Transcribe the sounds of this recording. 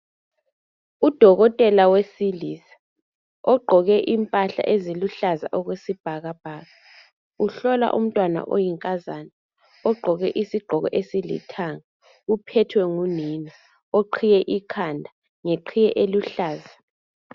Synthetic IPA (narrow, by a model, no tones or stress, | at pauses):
ud̥ʱɔɣɔtʼɛlawesilisḁ | ɔɡ͡ǃʱɔɣɛʔimpʼaɬa̰ʔeziluɬaza̰ʔɔɣwesib̥ʱaɣab̥ʱaːɣa | uɬɔla̰ʔṵm̩tʼwana̰ʔo̰jiŋkʼazana | ɔɡ͡ǃʱɔɣɛʔisiɡ͡ǃʱɔɣɔ̰ʔesilḭtʰaŋa | upʰɛtʰwɛŋunini | oǃʰijɛʔikʰandʱa | ŋeǃʰijɛʔeluɬaːza